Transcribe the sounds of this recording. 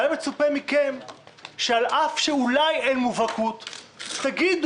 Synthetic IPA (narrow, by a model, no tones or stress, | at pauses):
emet͡supemikemʃealʔafʃeulajenmuvakuttaɡid̪